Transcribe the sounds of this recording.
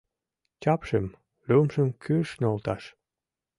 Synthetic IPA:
t͡ɕɑpʃəm | lymʃə̆mkʰyʃnolt̪ɑʃ

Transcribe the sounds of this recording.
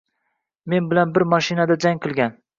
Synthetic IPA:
me̞nbɪlanbɪɾmaʃɪnad̪ad͡ʒaŋʲqʰɨlˠɡʲan

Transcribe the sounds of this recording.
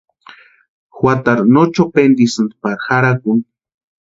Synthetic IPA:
xwat̪aɾnot͡ʃopend̪isɨnd̪paɾxaɾakun

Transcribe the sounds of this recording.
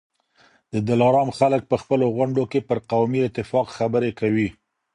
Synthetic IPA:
d̪əd̪alɑɾɑmxalək̚pəxpəloɣaɳɖokepəɾqawmiɪt̪ɪfɑqxabəɾekawi

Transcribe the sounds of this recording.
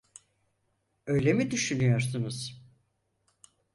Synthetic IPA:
ø̞jlʲemid̪yʃynyjo̞ɾsunuz̥

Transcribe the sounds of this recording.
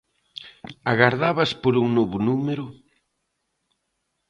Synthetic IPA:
aɣaɾðaβɐspoɾuŋnoβʊnumeɾʊ

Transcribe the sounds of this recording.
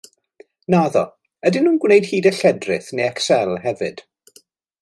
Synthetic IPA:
naðɔ̰ | ədɪnhuːnɡwnejd̥hiːdəɬɛdrɪ̰θnejɛksɛlˠhɛvɨd̥

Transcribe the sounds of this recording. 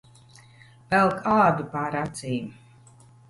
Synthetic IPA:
vɛlˠkʰalˠabipaːɾat̪siːm

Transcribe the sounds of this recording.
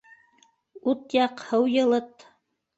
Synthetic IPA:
ut̪jɑqhɤwjɤ̆lˠɤt̪

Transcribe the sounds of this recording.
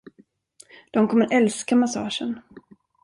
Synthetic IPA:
d̪̥ɔmkʰɔmːəɾʔɛlskamasɑ̰ːʂən

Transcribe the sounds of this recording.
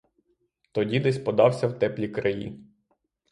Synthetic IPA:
t̪ɔdʲid̪ɛsʲpɔd̪ɑwsʲɐwt̪ɛplʲikɾɐjḭ

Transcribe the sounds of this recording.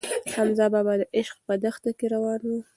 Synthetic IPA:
hamzɑbɑbad̪əʔɪʃqpəd̪əxt̪akeɾawɑnwi

